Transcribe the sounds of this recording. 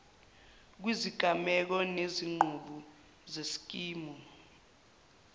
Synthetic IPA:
k̬wiziɡ̥ʱamɛk̬ɔneziŋ͡ǃʱuɓu | zesi̥k̬ʼiːmɔ

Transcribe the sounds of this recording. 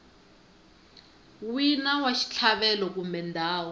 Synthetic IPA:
winawaʃi̥t͡ɬʰaɓɛlɔk̬umbɛndʱaːwɔ

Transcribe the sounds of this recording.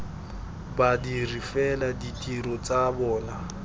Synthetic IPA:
badirifɛladitʼiɾɔt͡sʼabɔːna

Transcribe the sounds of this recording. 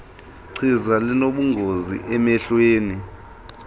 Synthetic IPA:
ǀʰizalinoɓuŋɡʱozḭʔɛmɛɬweːni

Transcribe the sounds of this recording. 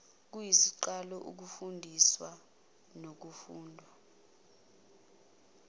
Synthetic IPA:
k̬ujisiǃalɔʔṵk̬ufundʱiswa | nok̬ufuːndʱwa

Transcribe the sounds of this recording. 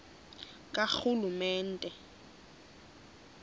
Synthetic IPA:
kʼaxulumɛːn̩tʼɛ

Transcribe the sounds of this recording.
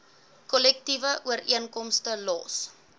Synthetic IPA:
kɔlɛk̚tivəʔuəriənkɔmstəlɔ̰ːs

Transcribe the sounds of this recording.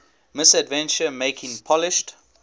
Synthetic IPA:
mɪsədvɛ̃nt͡ʃəmeɪkʰɪ̃ŋpʰɔlɪʃt

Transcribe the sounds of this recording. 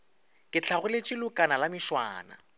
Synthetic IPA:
kʼɪt͡ɬʰaɣʊlɪt͡ʃʼilʊkʼanalamɪʃwa̰ːna̰

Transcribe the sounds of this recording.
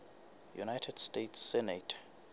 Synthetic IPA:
jṵnajtʰɛdstetʰsːɛnetʰ

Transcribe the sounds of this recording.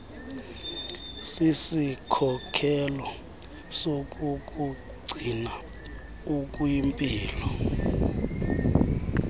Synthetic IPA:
sisikʰɔkʰɛlɔ | sok̬ʼukʼu | ɡ͡ǀʱina | uk̬ʼujimpʼiːlɔ

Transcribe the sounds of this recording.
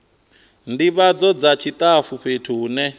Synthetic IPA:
ndiβad͡zɔd͡zat͡ʃʰit̪ʼafuɸetʰuːnɛ

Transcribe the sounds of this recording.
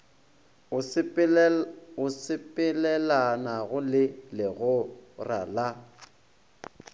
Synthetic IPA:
ʊsɪpʼɪlɛlanaɣʊlɪlɪɣʊra̰la

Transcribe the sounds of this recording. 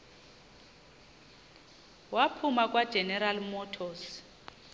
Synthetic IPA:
wapʰumakʼwad̥ʒ̥ʱɛnɛɾalmɔtʰɔs

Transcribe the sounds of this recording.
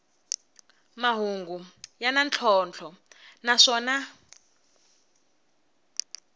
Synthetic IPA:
maɦuŋɡujanant͡ɬʰɔnt͡ɬʰɔnaʂɔːna

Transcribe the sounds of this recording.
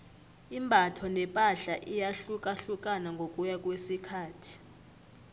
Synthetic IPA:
imbʱatʰɔnɛpʼaɬaʔijaɬukʼaɬukʼanaŋɡʱok̬ʼujak̬ʼwesikʰaːtʰi̥

